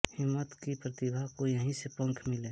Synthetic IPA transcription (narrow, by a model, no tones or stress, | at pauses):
hɪmːət̪kipɾət̪ɪbʱakojəɦĩsepə̃ŋkʰmɪleː